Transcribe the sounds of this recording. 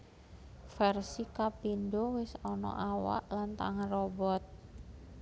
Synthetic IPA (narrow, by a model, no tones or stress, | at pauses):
fɛrsikapindowɪsɔnɔ̰ʔawa̰ʔlant̪a̰ŋanrobɔt̪̚